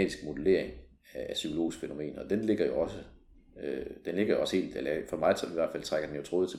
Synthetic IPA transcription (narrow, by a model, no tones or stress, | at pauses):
d̥isɡ̥mo̝d̥əle̝ɐ̰e̝ŋ | ææsykʰolo̝̰ːisɡ̥fe̝no̝me̝̰ːnɒd̥enle̝ɡ̥ɐjo̝ɒ̽sə | ød̥enle̝ɡ̥ɐjo̝ɒ̽sə̥he̝̰ːld̥elɐfɒ̽mɑ̈ɪiʋæɐdfæl̰t͡sʰʁɑ̈ɡ̥ɐd̥enjot͡sʰʁo̝ːðˠʰ